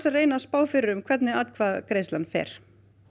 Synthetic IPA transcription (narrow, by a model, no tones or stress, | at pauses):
sareːjnaspaːwfɪɾɪɾʏmkʰvɛt̪nɪat̪kʰvaːðkɾeːjslanfɛ̰ɾ̥